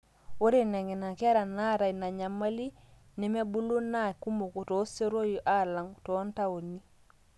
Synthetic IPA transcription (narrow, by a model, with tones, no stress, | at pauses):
wo˦ɾi˦˨ne˨ŋe˨na˨ke˦ɾa˨na˦ɾa˨ina˨ɲa˨ma˦li˦ | ne˦me˦bu˦lu˦na˦ku˦mo˨ku˨to˦se˦ɾo˦ju˨ʔa˦la˨ŋto˦nta˦wo˨ni˦